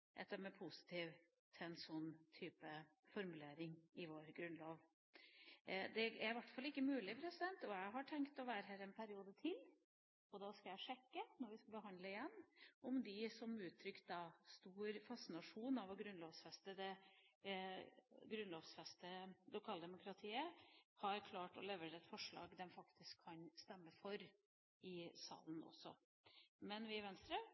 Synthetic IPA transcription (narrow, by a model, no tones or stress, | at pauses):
ʔɛ̰t̪ːəmɛpʰʊsɪ̥t̪ʰiːʋ | t̪ʰɛnsɔnːt̪ʰyːpə | fɔɾmʉleːɾɪŋɪʋoːɾɡɾʉnloːʋ | d̪ɛæɾʋæʈfɑlːɪkːəmʉːlɪpʰɾɛsɪd̪ɛnt̪ɔjæɪɦɑʈʰɛŋkt̪ɔʋæːɾəɦæːɾɛnpʰæɾɪuːd̪ət̪ʰɪl | ɔd̪ɑskɑjæɪʂɛkːənɔɾʋɪskɑlbəɦɑnd̪ləɪjɛnːɔmd̪ɪsɔmʉːt̪ʰːɾʏkt̪̚d̪ɑst̪uːɾfɑsɪnɑʂuːnɑʋɔɡɾʉnloːʋsfɛst̪əd̪ɛ | ɡɾʉnloːʋsfɛst̪əlʊkʰɑːld̪ɛmʊkʰɾɑt̪ʰiːəhɑɾkʰlɑːʈɔ̰lɛʋəɾɛt̪fɔʂɭɑ̰ːɡd̪ɛmfɑkt̪ʰɪskʰːɑnst̪ɛmːəfɔɾ | ɪsɑ̰ːlənʔɔ̰sːɔ̰ | mɛnʋɪʋɛnst̪ɾə